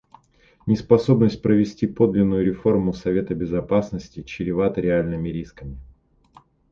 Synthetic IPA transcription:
nʲɪspɐso̞bnəsʲt̚ʲpɾəvʲɪsʲtʲipo̞d̪lʲɪnːʊjʊɾʲɪfo̞rmʊsɐvʲe̞t̪əbʲɪzɐpasnəsʲtʲɪt͡ɕɪɾʲɪvat̪əɾʲɪalʲnɨmʲɪɾʲiskəmʲɪ

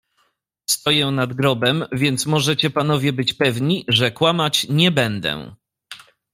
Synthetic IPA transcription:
st̪ɔjɛnad̪ɡɾɔbɛmvʲjɛnt̪smɔʐɛt͡ɕɛpanɔvʲjɛbɘt͡ɕpɛvɲiʐɛkwamat͡ɕɲɛbɛnd̪ɛ̰

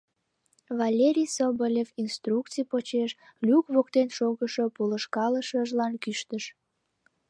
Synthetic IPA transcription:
vɑlʲeɾʲijsobolʲefinst̪rukt͡sijpot͡ɕeʃlʲukβok̚t̪enʃoɣəʃopuləʃkɑləʃəʒlɑnkyʃt̪əʃ

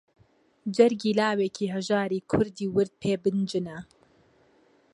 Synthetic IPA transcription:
d͡ʒɛɾɡiːlaːwekʰiːɦɛʒaːɾiːkʰʊɾd̪iːwɨɾd̪̚pʰeːbɨnd͡ʒɨnɛ

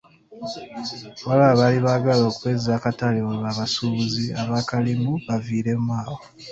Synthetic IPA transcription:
βalaβaliβaɡaloːkweːzaːkatalewawaβasuβuziaβaːkalimuβaviːɾe̞mwaːwo

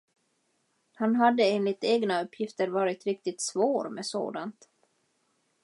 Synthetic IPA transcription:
hanɦad̪ːəeːnlɪt̪eːɡnaɵpːjɪft̪əɾvɑːɾɪt̪ɾɪk̚t̪ɪt̪svoːɾmɛso̰ːd̪ant̪

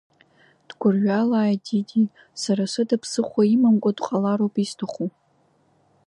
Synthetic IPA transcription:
d̥ɡʷʊrɥalaːjdidʲi | saɾaʃʷɨdapʰsɨχʷaimamkʷʼadqʼalaɾowpʼistʰaχʷu

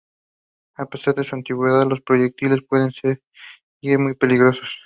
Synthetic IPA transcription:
ape̞saɾðesuant̪iɣwe̞ðaðlo̞spɾo̞ʝek̚t̪ile̞spwe̞ðe̞nseɾ | iɾmujpe̞liɣɾo̞so̞̥s

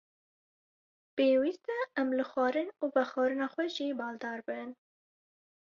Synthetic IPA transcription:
peːwist̪ɛɛmlɨxwɑːɾɨnuːbɛxɑːɾɨnɑːxʷwɛʒiːbɑːld̪ɑːɾbɨn

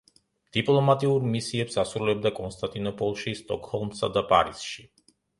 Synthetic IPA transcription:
d̪̥ipʼlˠɔmat̪ʼiuɾmisiɛpsasɾulɛb̚d̪akʼɔnst̪ʼant̪ʼinɔpʰʼɔlˠʃist̪ʼɔkʼhɔlˠmsa̰d̪apʼa̰ɾisʃi

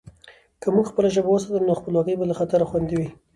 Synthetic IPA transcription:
kəmuɡxpəlaʒəbawəs̬at̪əlnoxpəlwɑkəjbalaxat̪aɾaxwand̪iwi

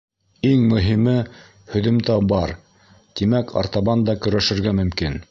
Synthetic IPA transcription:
iŋmɵ̆ɦimɘ | hɵ̆ðɵ̆mt̪æbɑɾ | t̪imækʰɑ̰ɾt̪ɑβɑnd̪ɑkɵ̆ɾæʃɘ̆ɾɡæmɵ̆mkin

